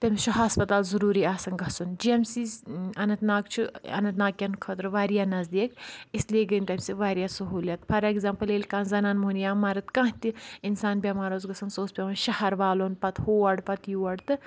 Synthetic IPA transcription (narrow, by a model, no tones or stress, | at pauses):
t̪ɐmʲt͡ʃʰuɦɐspɐt̪aːlzɐɾuːɾiːaːsɐŋɡɐsund͡ʒiɐmsiːsɐnɐt̪naːkt͡ʃʰuɐ̰nɐt̪naːkjɐnkʰɐːt̪ɾɨʋaːɾijaːnɐzd̪iːkisleːɡɐnʲʈɐmʲsiʋaːɾjaːsɐɦuːlʲɐt̪pʰɐɾeɡzaːmpɐleːlʲkaːnzɐnaːnmunjaːmaːɾɨt̪kãɦt̪iinsaːnbʲɐmaːɾoːzɡɐsɐnsoːspʲɐʋɐnʃɐhɐɾʋaːloːnpɐt̪hoːɐɖpɐt̪juːɐɖt̪ɨ